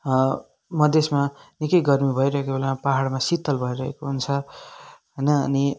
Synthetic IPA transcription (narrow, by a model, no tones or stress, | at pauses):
mʌd̪ʱesmanikʌjɡʌrmibʱʌjɾʌɦekobʱolemapaɦaɽmasit̪ːʌlbʱʌiɾʌɦḛkoɦunt͡sʰʌ | ɦʌjnʌ̰ːni